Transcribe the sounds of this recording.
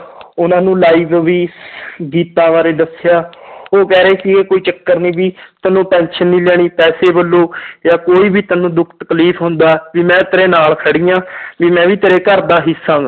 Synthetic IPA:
ʊnãːnũːlaːiːʋʋiːɡiːt̪ãːʋaːɾeːd̪əsɪjaːoːkɛːɾeeːsiːeːkoːiːt͡ʃəkːəɾnĩːʋiːt̪ənːũːpɛ̃ːnʃənːiːlɛːɽ̃iːpɛːseːbəlːoːjaːkoːiːbiːt̪ənũːd̪ʊkʰt̪ə̥kliːpʰɦʊ̃nd̪aːʋiːmɛ̃ːt̪eːɾeːnaːlkʰəɽiːjãːʋiːmɛ̃ːʋiːt̪eːɾeːkəɾd̪aːɦɪsãːŋɡ

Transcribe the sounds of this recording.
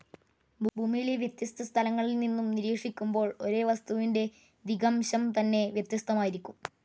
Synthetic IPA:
bʱbʱuːmijileʋjɐt̪jɐst̪ʰɐst̪ʰɐlɐŋːɐɭilninːumniɾiːkʂikʲːumbo̞ːɭo̞ɾe̞ːʋɐst̪uʋinde̞ | d̪iɡɐmɕɐmt̪ɐnːe̞ʋjɐt̪jɐst̪ɐmaːjiɾikʲːum

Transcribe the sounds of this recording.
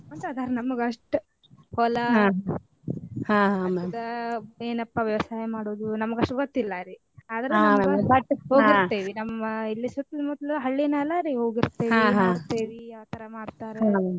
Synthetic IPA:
ɐnt̪ɐd̪aːɾenɐmːɐɡɐʂʈu | hɔlɐɦaɦa | hãːɦamed̪ɐeːnɐpːɐʋjɐʋɐsaːjɐmaːɽoːd̪unɐmɐɡɐʂʈɡot̪ːilːɐɾi | aːd̪ɐɾɐaeɐbɐʈːɦoːɡit̪ːeːʋinɐmːɐilːisut̪ːlmɔd̪lɐɦɐɭːinɛlːɐɾiɦo̞ːɡiɾt̪eːʋiaɦãɾt̪eːʋiaːt̪ʰɐɾɐmaːɽt̪aːɾae

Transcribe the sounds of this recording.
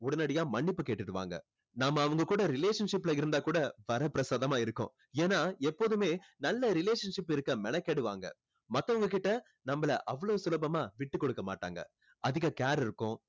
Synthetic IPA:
ʊɽɐnɐɽɐjãːmɐɳːɪpːɯkeːʈːɯʈːɯʋa̰ːŋɡɐ̰ | naːmɐːʋɐŋɡɐkuːɽɐɾɪleːʂɐnʂɪpːɪlɐɪɾɯnd̪aːkuːɽɐʋɐɾɐpɪɾɐsaːðɐmaːɪɾɯkːʊ̰̃ | eːnːaːɛpːoːðɯmeːnɐlːɐɾɪleːʂɐnʂɪpːɪɾɯkːɐmɛnɛkːeːɽɯʋa̰ːŋɡɐ̰ | mɐt̪ːɐʋɐŋɡɐkɪʈːɐ | nɐmːɐlɐʔɐʋːɐɭoːsʊlɐbɐmaːʋɪʈːɯkːɔɽɯkːɐma̰ːʈːa̰ːŋɡɐ̰ | ɐðɪɣɐkaːɾɪɾɯkːʊ̃

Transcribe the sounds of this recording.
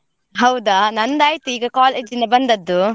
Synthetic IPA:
ɦɐwd̪anɐnd̪aːjt̪iɡɐkɔːled͡ʒinɐbɐnd̪ɐd̪ːu

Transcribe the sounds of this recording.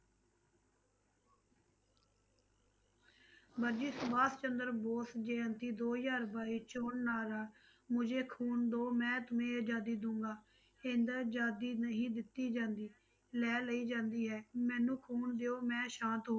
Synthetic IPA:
bəɾd͡ʒiːsʊbaːst͡ʃənd̪əɾboːsd͡ʒeːənt̪iːd̪oːjaːɾbaːiːt͡ʃoːɳnaːɾaː | mʊd͡ʒeːkʰuːnd̪oːmɛ̃ːt̪ʊmẽːd͡ʒaːd̪iːd̪ʊ̃ːŋɡaː | ɪnd̪d͡ʒaːd̪iːnəɦĩːd̪ɪt̪ːiːd͡ʒãːnd̪iː | lɛːləiːd͡ʒãːnd̪iːɦɛːmɛ̃ːnũːkʰuːnd̪eːoːmɛ̃ːʃãːnt̪ɦoː

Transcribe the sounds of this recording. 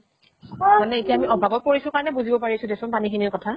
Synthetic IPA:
manɛetiamiɔbʱaɡɔt̚poɹisʊ̃kaɹɔnɛbuzibɔpaɹisʊ̃desʊnpanixʰiniɹkɔtʰa

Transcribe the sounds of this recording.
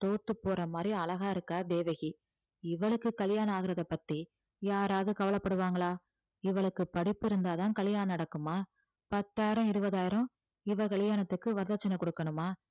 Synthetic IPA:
t̪oːt̪ːɯpːoːrɐmaːd̪ɾiɐlɐɣaːɪɾɯkːaːd̪eːʋɐɣi | ɪʋɐɭɯkːɯkɐlɪjaːnɐaːɣɪɾɐðɐpːɐt̪ːi | jaːɾaːðɯkɐʋɐlɐpːɐɽɯʋaːŋɡɐɭaː | ɪʋɐɭɯkːɯpɐɽɪpːɪɾɯnd̪aːt̪ãːnkɐlɪjaːnɐnɐɽɐkːɯmaː | pɐt̪ːaːjɪɾɐ̃ɪɾɯbɐðaːjɪɾɐ̃ | ɪʋɐkɐɭɪjaːnɐt̪ːɯkːɯʋɐɾðɐt͡ʃːɐnɐkɔɽɯkːɐɳɯmaː

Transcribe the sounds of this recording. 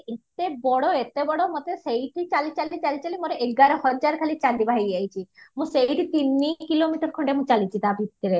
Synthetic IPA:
et̪ebɔɽɔet̪ebɔɽɔmɔt̪esejʈʰit͡ʃalit͡ʃalit͡ʃalit͡ʃalimoɾeʔeɡɡaɾɔhɔd͡ʒaɾkʰalit͡ʃald̪ibʱaɦejajt͡ʃʰimũseʈʰit̪inːikilomiʈɔɾkʰɔɳɖemũt͡ʃalit͡ʃʰid̪abʱit̪ːiɾe

